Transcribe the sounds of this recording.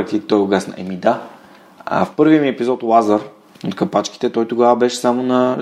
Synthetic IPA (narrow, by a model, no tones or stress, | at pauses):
t̪ʲit̪ɔjoɡasnɐ̰ʔɛmid̪a̰ | fpɤɾviəmiɛpizɔt̪lˠazəɾ | ot̪kɐpat͡ʃki̥t̪ɛt̪ɔjt̪oɡavɐbɛʃɛ̥samonɐ